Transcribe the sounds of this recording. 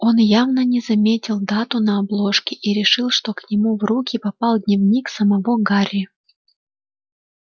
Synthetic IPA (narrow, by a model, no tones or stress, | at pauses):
o̞njavnənʲɪzɐmʲetʲɪlˠd̪at̪ʊnəɐblˠo̞ʂkʲɪʔiɾʲɪʂɨlˠʂt̪o̞knʲɪmuvɾukʲɪpɐpɑlˠd̪ʲnʲɪvnʲiksəmɐvoɡaɾʲɪ